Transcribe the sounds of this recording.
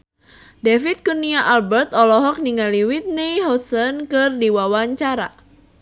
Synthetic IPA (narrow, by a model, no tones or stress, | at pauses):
defit̪̚kuniaʔalbɛrt̪ɔlɔɦɔk̚niŋaliwit̪̚nejɦɔsənkɨrdiwawaɲt͡ʃaɾa